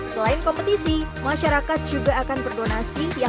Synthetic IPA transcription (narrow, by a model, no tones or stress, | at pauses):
səlaɪnkɔmpət̪isimaʃaɾakat̪̚d͡ʒuɡaːkanbərdonasija